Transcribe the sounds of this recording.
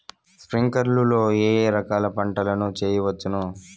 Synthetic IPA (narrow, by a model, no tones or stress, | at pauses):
spɾiŋkɐɾlulo̞ːeːɾɐkaːlɐpɐɳʈɐlɐnut͡ʃeːjɐʋɐt͡ʃːunu